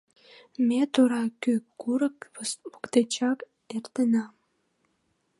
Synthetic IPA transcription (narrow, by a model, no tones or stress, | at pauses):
met̪oɾɑkykuɾəkpokt̪et͡ɕɑk | ert̪ənɑm